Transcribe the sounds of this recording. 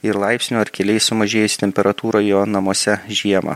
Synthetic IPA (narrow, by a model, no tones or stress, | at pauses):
ɪɾlˠɑɪpʲsʲnʲuːɐɾkʲɛlʲɛɪsʊmɐʒʲeːjʊsʲɪ̥t̪ʲɛmʲpʲɛɾɐt̪uːɾoːjoːnɐmoɔsʲɛʒʲiɛmɐ̰ː